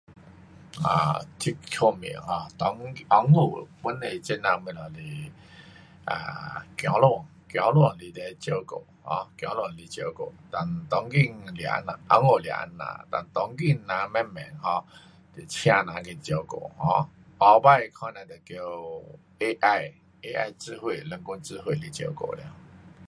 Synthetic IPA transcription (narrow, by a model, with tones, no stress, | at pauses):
ã̰˨t̪ʰi˧˦kkʰo˧˨mḭ˨hɔ̃˧t̪ɔ˧˦ŋ˧ʔɔ˧˦ŋu˧˨pu˦ne˧˨t͡ɕe˦nã˧mĩ˧˨la˨li˧ | ʔã̰˨kj̃ɔ̃˨˦lo˧˨ | kjɔ̃˨˦lu˧˨li˧t̪e˧˨˦t͡ɕə˧˦ko̰˧˨hɔ̰̃˧˦kjɔ̃˨˧˦lu˧˨li˧t͡ɕə˧ko̰˨t̪a˧nt̪ɔ˧˦ŋki˥˧ŋlja̰˧˦na˨ʔa˧˦ŋo˨lja̰˨˧˨ʔnːã̰˨t̪a̰˧nt̪ɔ˧˦ŋki˧ŋnã˨mɛ̃˦mmɛ̰˨ŋhɔ̃˧˦ | t̪i˨˩t͡ɕʰj̃ã˧nã˨˦ki˧t͡ɕə˧˦ko̰˨hɔ̰̃˧˦ | ɔ˧ba˦˧˨jkʰã˧˦nã˧t̪ə˨˩kjo˧ | e˦ʔa˥˧j | e˦ʔa̰˧jt͡sɨ˧˦hwe˧˨lə˧˨ŋku˦nt͡sɨ˧ɦwe˥˧˨li˧t͡ɕjə̰˧˦ko̰˨ljã̰˧˦